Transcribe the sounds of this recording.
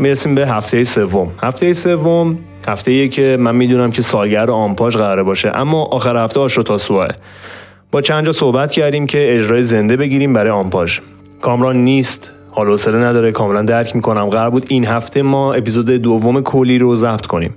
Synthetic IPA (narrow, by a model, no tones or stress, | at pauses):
miɾesiːmbe̞ɦæft̪e̞jese̞vːo̞mhæft̪ʰejese̞vːom | hæft̪ejejecʰe̞mænmiːd̪uːnæmcʰe̞sɒːlɟæɾd̪eɒmpʰɒːʃɣæɾɒːɾebɒːʃḛʔæ̰mːɒːʔɒːxæɾhæft̪eɒːʃɾot̪ʰɒːsoɒḛ | b̥ɒːt͡ʃʰænd̪d͡ʒɒːsohbæt̪cʰæɾd̪iːmcʰe̞ed͡ʒɾɒːjeze̞nd̪ebe̞ɟiːɾiːmbæɾɒːjeɒmpʰɒʒ | kʰɒːmɾɒːnːiːst̪ | hɒːlohoselenæd̪ɒːɾekʰɒːmelænd̪æɾcʰmiːkʰo̞næmɢæɾɾbuːd̪inɦæft̪ʰe̞mɒːe̞pizoːd̪ed̪ovːome̞kʰolːiːɾozæbt̪ʰkʰo̞nḭːm